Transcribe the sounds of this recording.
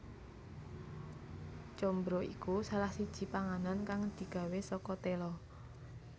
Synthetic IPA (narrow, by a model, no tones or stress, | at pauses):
t͡ʃɔmbɾoʔḭkusalahsid̥ʒ̥i̤paŋanɔnkaŋd̪̥i̤ɡ̥a̤wesɔkɔt̪elɔ